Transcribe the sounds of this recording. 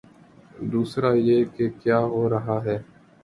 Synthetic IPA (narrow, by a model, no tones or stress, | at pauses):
d̪uːsɾaːjeːkekjaːɦoːɾəɦaːɦɛː